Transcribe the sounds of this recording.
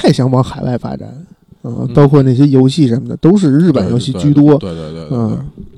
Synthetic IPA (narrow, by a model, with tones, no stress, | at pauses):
t̪ʰa˥˩ɪɕjɑ˧˥ŋwɑ˧˥ŋxa˨˩ɪwʔa˥˩ɪfa̰˥ʈ͡ʂa̰˨˩˦n | ə˥˩pɑ˥ʊkʰwɔ˥˧na˥˩ɪjɛ˥jo˧˥ʊɕi˥˩ʂə˧˥nmə˨˩d̪ə̰˨˩t̪o˥ʊʂ̬ɻ̩˥˧ɻɻ̩˥˩pə˨˩njo˧˥ʊɕi˥˩t͡ɕy˥˩t̪wɔ˥n̩˥˩